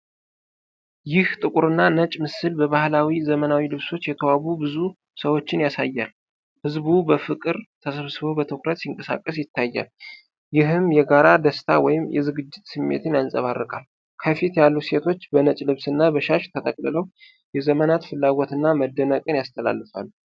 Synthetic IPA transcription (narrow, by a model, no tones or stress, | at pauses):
jɪht̪ʼɨkʼuɾɨnːanət͡ʃʼmɨsɨlbəβahlawizəmənawilɨβso̞t͡ʃːjɛt̪ʰəwaβubɨzu | səwo̞t͡ʃːɪnjasajːa̰l | hɨzbubəfɨkʼɨɾt̪ʰəsəβsɨβobət̪ʰəkɾət̪siŋkʼəsa̰kʼːəsjɪt̪ʰːajːa̰l | jɪɦɨmjɛɡaɾad̪əst̪ʰawɔ̰jɪmjɛ̰zɨɡɨd͡ʒːɪt̪sɨmːḛt̪ʰɨnjansʼə̰βarːɨkʼal | kʰəfit̪jalːuse̞t̪ʰo̞t͡ʃːbənət͡ʃʼlɨβsɨnːabəʃaʃt̪ʰət̪ʼəkʼlələw | jɛzəmənat̪fɨlːaɡo̞t̪ɨnːaməd̪ːənəkʼɨnjast̪ʰəla̰lːɨfa̰lːu